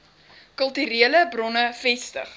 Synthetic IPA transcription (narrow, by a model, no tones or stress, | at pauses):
kəlˠtyɾiələbrɔnəfɛstə̰χ